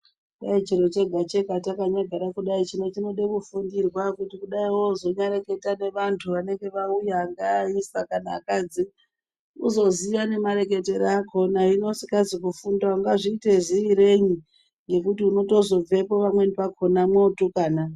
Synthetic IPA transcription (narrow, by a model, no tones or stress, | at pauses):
ɗait͡ʃiɾo̞t͡ʃe̞ɡʱat͡ʃe̞ɡʱatakaɲaɡʱaɾakuɗait͡ʃino̞t͡ʃino̞ɗe̞kufundirwakutikuɗaiwo̞zo̞ɲaɾe̞ke̞tane̞ʋantʰuʋane̞ŋɡe̞ʋaujaːŋɡaːisakanaːkad͡zi | uzo̞zijane̞maɾe̞ke̞teɾaakʰo̞naino̞sikazikufundauŋɡaʐiːte̞ʐiːɾe̞ɲi | ŋɡe̞kutiuno̞to̞zo̞b͡ve̞po̞ʋamwe̞nipakʰo̞namweutukaːna